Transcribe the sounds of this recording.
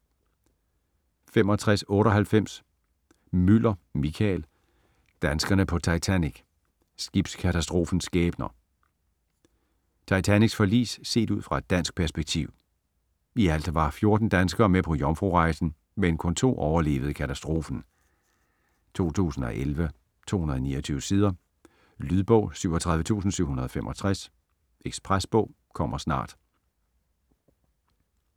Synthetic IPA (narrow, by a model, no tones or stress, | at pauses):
fem̰ɒ̽t͡sʰʁasɔ̽ːɾɒ̽ɦælfem̰s | mylɐmikʰɛl | d̥ænsɡ̥ɐnəpʰɒ̽t͡sʰɑ̈ɪt͡sʰæniɡ̥ | sɡ̥ib̥skʰæt͡sʰæsd̥ʁo̝ːfn̩sɡ̥ɛːb̥nɐ | t͡sʰɑ̈ɪt͡sʰæniɡ̥sfɒ̽lḭːsse̝̰ːd̥uð̞̰ˠfʁɑ̈e̝d̥ːæn̰sɡ̥̚pʰæɐsb̥eɡ̥̚t͡sʰḭʊ | iæl̰d̥ɐʋɑ̈fjo̝ɐd̥n̩d̥ænsɡ̥ɐːmepʰɒ̽jɒmfʁo̝ʁɑ̈ɪsn̩ | menkʰɔ̽nt͡sʰo̝̰ːʔɒʊɐle̝̰ːʋð̩ˠəkʰæt͡sʰæsd̥ʁo̝ːfn̩ | t͡sʰo̝̰ːt͡sʰṵːsn̩ɒ̽ʔelʋə | t͡sʰo̝̰ːhunɐðˠnḭːɐt͡sʰyːʊəsiːð̞ˠɐ | lyðˠb̥ɔʊ̰syʊ̰ɒt͡sʰʁɑðˠʋət͡sʰṵːsn̩syʊhunɐðˠɒ̽femʔɒ̽t͡sʰʁas | ʔeɡ̥spʰʁasb̥ɔ̽ʊ̰ | kʰɒ̽m̰ʔɐsnɑ̰̈ːd̥